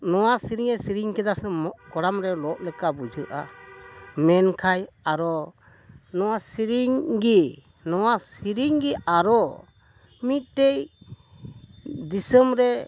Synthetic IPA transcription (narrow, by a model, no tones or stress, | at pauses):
nɔwasiɾiŋɛsiɾiŋkɛd̪asɛmɔkɔɽamɾɛlɔʔlɛkabud͡ʒʱəʔa | mɛnkʰajaɾɔ | nɔwasiɾiŋɡi | nɔwasiɾiŋɡiaɾɔ | mit̪̚ʈɛj | d̪isəmɾɛ